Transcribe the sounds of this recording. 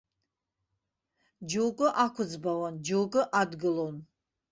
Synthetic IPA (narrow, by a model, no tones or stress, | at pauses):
d͡ʒuwkʼɨʔakʷʰʊd͡zbawand͡ʒuwkʼʊʔadɡɨlon